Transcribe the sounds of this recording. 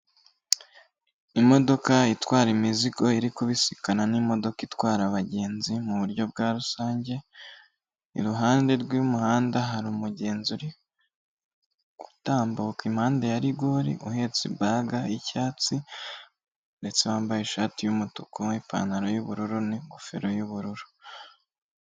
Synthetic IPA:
imo̞do̞kaitwaːɾimiziko̞iɾikuβisi̥kananimo̞do̞kitwaːɾaβaɟe̞ːnzimuβuɾɟo̞b̚ɡaːɾusaːɲɟe̞ | ḭɾuɦaːnde̞ɾɡwumuhaːndaɦaɾumuɟe̞ːnzuɾi | ɡ̥u̥taːmbokimhaːndejaɾiɡoɾḭʔuhe̞ːt͡sibaɡaicaːt͡si | nde̞t͡se̞βaːmbajeʃaːtijumutukʰoipa̰ːnaɾo̞juβuɾuɾuniŋɡofe̞ɾo̞juβuɾuɾu̥

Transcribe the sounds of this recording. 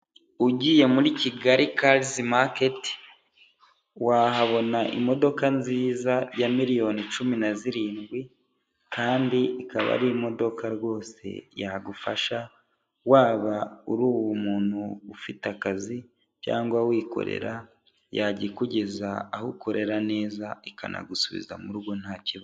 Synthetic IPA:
uɟiːje̞muɾiciɡaɾikalzimaketi̥ | wahaβo̞naʔḭmo̞do̞kanziːzajamiɾijo̞nit͡ʃuminaziɾiːnɡwi | kaːndiikaβa̰ɾimo̞do̞kaɾwo̞ːse̞̰jaɡufaʃa | waːβauɾuːwwumuːn̥huːfitakazi | ca̰ːŋɡwawiːko̞̰ɾe̞̰ɾa | jaɟiekuɟe̞zaːhuko̞ɾe̞ɾane̞ːzaika̰nʔa̰ɡusuβḭza̰muɾuɡo̞n̥haːciβa

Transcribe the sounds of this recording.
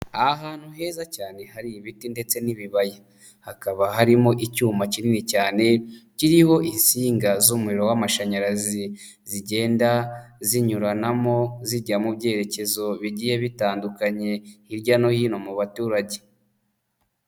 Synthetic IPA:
aɦaːn̥huɦe̞ːzacaːne̞haɾiβitinde̞t͡se̞niβiβaje | hakaβaɦaɾimo̞ʔicuːmacininicaːne̞ciɾiho̞ʔinsiːŋɡazuːmuɾiɾo̞wamaʃaɲaɾazi | ziɟe̞ːndaziɲuɾanamo̞ziɟamubɟe̞ːɾe̞ce̞zo̞βiɟije̞βitaːndukaɲe̞iɾɟano̞hiːno̞muβatuːɾaɟe̞

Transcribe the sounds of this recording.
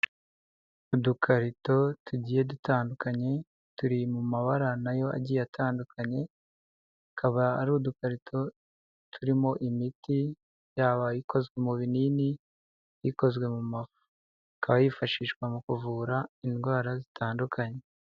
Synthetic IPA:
udukʰaɾito̞tʰuɟiːje̞dutaːndukaɲe̞ | tuɾimumaβaɾanajo̞a̰ɟiːjatʰaːndukʰaɲe̞ | kʰaβaːɾuːdukaɾitʰo̞ | tʰuɾimo̞ʔimiti | jaːβajiko̞zɡwe̞muβinini | jiko̞zɡwe̞mumavu | kʰaβajifaʃiːʃkwamukuvuːɾainɡwaːɾazitʰaːndukʰaɲe̞

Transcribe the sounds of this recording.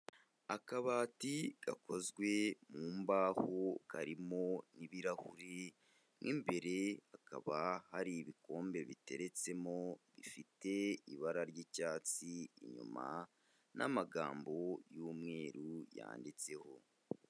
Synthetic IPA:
akaβaːtiɡ̥a̰ko̞zɡwe̞muːmbaːhokaɾimo̞niβiɾahuɾe | mŋimbe̞ɾe̞aka̰βahaɾiβiko̞ːmbe̞βite̞̰ɾe̞t͡se̞moβifite̞iβaɾaɾɟiːcaːt͡sḭːɲṵma̰ | nʔa̰maɡaːmbo̞juːmŋe̞ːɾuja̰ːndit͡se̞ho̞

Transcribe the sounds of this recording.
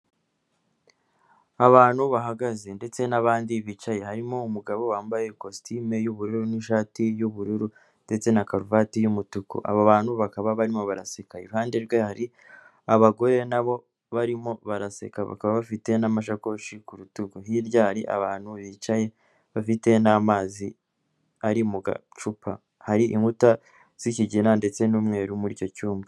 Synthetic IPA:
aβaːn̥huβaɦaɡazende̞t͡se̞naβaːndiβiːt͡ʃaje̞haɾimoumuɡaβo̞waːmbajekostime̞juβuɾuɾuniʃaːtijuβuɾuɾu | nde̞t͡se̞nakaɾuvatijumutukṵʔa̰βaβaːnhuβakaβaβaɾimo̞βaɾa̰sekajḛɾuhaːnde̞ɾɡwehaɾi | aβaɡo̞ɾe̞naβo̞ | βaɾimo̞βaɾase̞̰kaβa̰kaβaβafite̞namaʃ̬akoʃikuɾutukuɦiɾɟaːɾiʔa̰βaːn̥huβit͡ʃaje̞ | βafite̞naːmaːzi | aɾimuɡa̰t͡ʃupʰa | haɾiʔiŋɡuta | z̥iciɟinande̞t͡se̞nuːmŋe̞ːɾumuɾico̞cuːmbi

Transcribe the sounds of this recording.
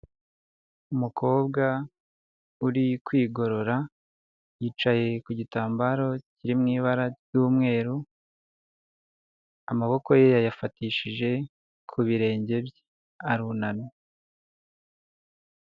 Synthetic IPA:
umukʰo̞ːbɡa | uɾikwiːɡo̞ɾo̞ɾa | jiːt͡ʃaje̞kuɟitaːmbaɾo̞ciɾimŋiːβaɾaj̥uːmŋe̞ːɾu | amaβo̞ko̞jejajafatiʃiʒe̞ | kʰuβiɾe̞ːɲɟe̞bje | aɾunano

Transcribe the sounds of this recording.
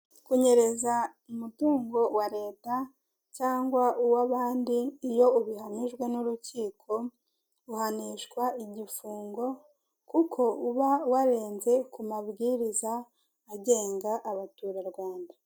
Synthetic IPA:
kuɲe̞ɾe̞zaumutuːŋɡo̞waɾe̞ːta | caːŋɡwauwaβaːndiːjo̞uβihaniʒɡwe̞nuɾuciːkʰo̞ | uhaniʃkwaiɟifuːŋɡo̞ | kukʰo̞uβawaɾe̞ːnze̞kumaβɡiɾizaː | ɟe̞ːŋɡaʔːβatuːɾaɾɡwaːnda

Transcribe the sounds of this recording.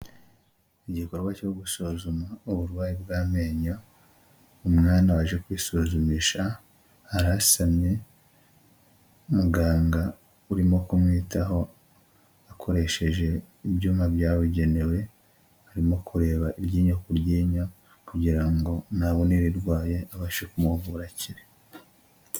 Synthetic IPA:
iɟiko̞ɾɡwaco̞ɡusozumauβuɾwaːjibɡaːme̞ːɲa | omŋaːnawaʒe̞kwiːsozumiʃaː | ɾasamɲe̞ | muɡaːŋɡa | uɾimo̞kumŋiːtaɦo̞ | akʰo̞ɾe̞ʃe̞ʒe̞ | ibɟuːmabjaːβiɟe̞ne̞we̞ | aɾimo̞kʰuɾe̞ːβaʔiɾɟiːɲokuɾɟiːɲa | kuɟiɾaŋɡo̞naβo̞niβiɾɡwaːje̞aβaʃekumuβuɾaciɾe

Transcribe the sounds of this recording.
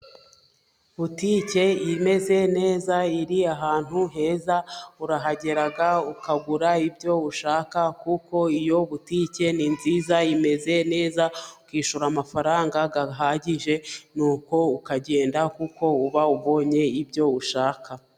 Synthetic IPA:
βutiːce̞ime̞ze̞ne̞ːzaiɾiaɦaːn̥hunɦe̞ːzauɾaɦaɟe̞ɾaɡaukaɡuɾaibɟo̞uʃaːkakuko̞ijo̞βutice̞ninziːzaime̞ze̞ne̞ːzaukiːʃuɾamafaɾaːŋɡaɡaɦaːɟiʒe̞nuːko̞ukaɟe̞ːndakuko̞uβauβo̞ːɲe̞ibɟo̞uʃaːka

